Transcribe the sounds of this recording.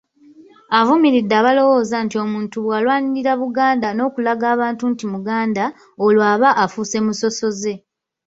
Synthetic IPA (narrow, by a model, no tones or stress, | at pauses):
avumiɾidːaːβalo̞wo̞ːzantio̞muːntuβwaːlwaːniɾiɾaβuɡaːndano̞ːkulaɡaːβaːntuntimuɡaːnda | olwaːβaʔafuse̞muso̞so̞ze̞